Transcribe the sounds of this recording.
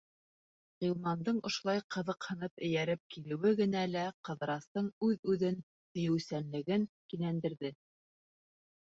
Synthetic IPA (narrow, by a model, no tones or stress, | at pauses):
ʁilˠmɑnd̪ɤɴŏʃŏlˠɑjqʰɤ̆ðɤqhɤ̆nɤpɘ̆jæɾɘp̚kilɘ̆wɘɡɘ̆nælæqɤ̆ðɤ̆ɾɑst̪ɤɴʉðʉðɘn | h̪ɵ̆jɘ̆wsænlɘ̆ɡɘŋkinænd̪ɘ̆ɾðɘ